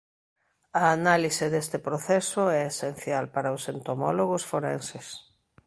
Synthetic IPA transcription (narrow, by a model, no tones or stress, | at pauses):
ɐːnalisɪðest̪ɪpɾoθɛsʊɛesen̟θjalpaɾɐʊsent̪omɔ̰loɣosfoɾḛnses